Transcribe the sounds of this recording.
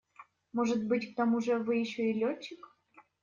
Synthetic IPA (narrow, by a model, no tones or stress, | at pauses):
moʐɨt̪bɨtʲk̚t̪omuʐəvɨjɪɕːoilʲot͡ɕːɪk